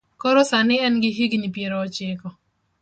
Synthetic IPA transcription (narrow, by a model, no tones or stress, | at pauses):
kɔɾɔsanɪɛnɡɪɦiɡnipjeɾɔːt͡ʃɪkɔ